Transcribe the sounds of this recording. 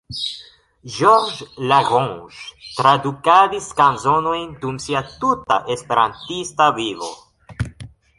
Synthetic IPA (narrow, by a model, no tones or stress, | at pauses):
ʒoɾd͡ʒlaɡõʃtɾadukadiskanzo̞no̞jndumsiatutaʔe̞spe̞ɾa̰ntistavivo̞̰